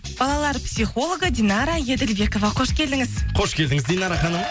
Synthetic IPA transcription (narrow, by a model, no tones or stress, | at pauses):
b̥ɑlˠɑlˠɑɾpsʲiχo̞lˠoɡəd̪ʲinɑɾaje̞d̪elbe̞ko̞vɑqʰo̞ʃkʲe̞ld̪ɪŋɪzqʰo̞ʃkʲe̞ld̪ɪŋɪzd̪inɑɾɑχɑnəm